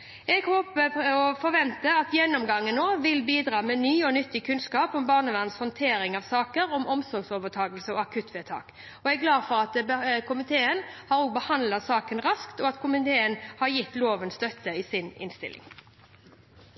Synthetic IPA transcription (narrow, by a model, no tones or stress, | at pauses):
ɛɡhoːpəɔfɔʁʋɛnt̪əɑt̪jɛnːɔmɡɑŋːənːoːʋɪlbiːd̪ɾɑːmɛːnyːɔnʏt̪ːɪkʰʉnskɑːpɔmbɑːʁnəʋæʁnshɔnt̪ʰeːɾɪŋɑʋsɑːkəɾɔmʔɔmsɔɡsoːʋət̪ʰɑːɡəlsəɔːɑkʰʉt̪ʰʋeːt̪ʰɑ̰ːk | ɔɛɡlɑːfɔʁɑt̪bkʰʊmɪt̪ʰeːənhɑːɾoːɡ̚bəhɑnd̪lɑt̪sɑːkənʁɑskt̪ɔɑt̪kʰʊmɪt̪ʰeːənhɑʁjɪt̪ːloːʋənst̪œt̪ːəɪsɪnɪ̰nst̪ɪ̰lɪ̰ŋ